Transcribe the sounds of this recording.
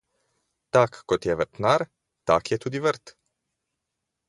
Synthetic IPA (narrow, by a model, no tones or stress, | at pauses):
t̪akːɔt̪jɛvəɾt̪naɾ | t̪akjɛt̪ud̪ivəɾt̪